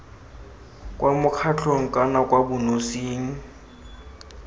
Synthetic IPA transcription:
kʼwamʊkʰat͡ɬʰoŋ̩kʼanakʼwabʊnosiːŋ̩

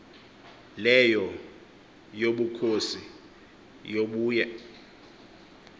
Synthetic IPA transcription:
lɛjɔ | joɓukʰosi | joɓuːjɛ

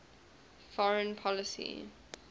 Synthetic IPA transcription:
fɔɹə̃npʰɔləsḭ

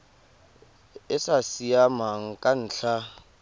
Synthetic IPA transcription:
ɪsasiamaŋ̩kʼan̩ːɬʰa

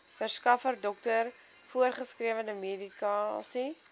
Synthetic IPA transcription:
fərskɐfərdɔk̚tər | fuərχəskriəvəndəmedikɑːsi

